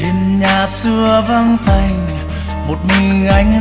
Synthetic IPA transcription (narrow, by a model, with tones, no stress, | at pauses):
e˨˧˩nɲaː˨˩sɨ˧əva˧ŋt̪a˧˩jŋ̟ | mo˨˩t̚mï˨˩ŋ̟ʔa˨˦jŋ̟